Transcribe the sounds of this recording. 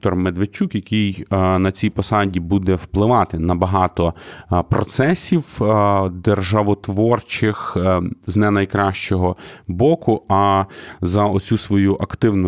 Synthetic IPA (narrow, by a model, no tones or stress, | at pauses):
t̪ɔrmed̪ʋet͡ʃukjɐkijnɐt͡sʲijpɔsɑdʲibud̪ɛwplˠɪʋɑt̪ɪnɐbɐɦɑt̪ɔpɾɔt̪sɛsʲiw | d̪erʒɐʋɔt̪ʋɔrt͡ʃɪxznɛnɐjkɾɑʃt͡ʃɔɦɔbɔkʊɐzɐɔt͡sʲusʋɔjuʔɐkt̪ɪwnʊ